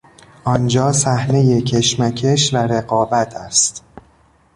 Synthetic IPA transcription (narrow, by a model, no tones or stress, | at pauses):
ʔɒnd͡ʒɒːsæhne̞jecʰe̞ʃmæcʰe̞ʃvæɾe̞ɣɒːbæt̪ʰæst̪